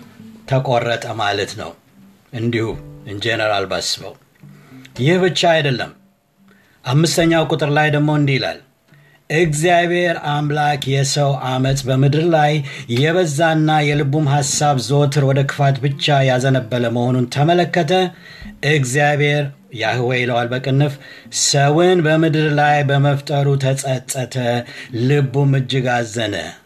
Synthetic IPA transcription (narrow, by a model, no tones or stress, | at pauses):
t̪ʰəkʼorːət̪ʼəma̰lət̪nə̰w | ʔɨnd̪ihṵɨnd͡ʒenəɾa̰lba̰sːɨbə̰w | jɪhbɨt͡ʃːaːjd̪əlːə̰m | ʔamːɨst̪ʰəɲːawkʼut̪ʼɨɾlajd̪əɡmo̞ɨnd̪ihila̰l | ʔɨɡzijaβhe̞ɾamlakʰjɛsəwamət̪ʼbəmɨd̪ɨɾlajːɛβəzːanːajɛlɨbumɦasaβzo̞t̪ʰɨɾwɔd̪əkʰɨ̥fat̪bɨt͡ʃːajazənəbːələməho̞nunt̪ʰəmələkːət̪ʰə | ʔɨɡzijaβhe̞ɾ | jahɨwɛɪləwalbəkʼɨnːɨf | səwɨnbəmɨd̪ɨɾlajbəməft̪ʼəɾut̪ʰəsʼət̪ʼːət̪ʰəlɨbumɨd͡ʒːɪɡazːənə̰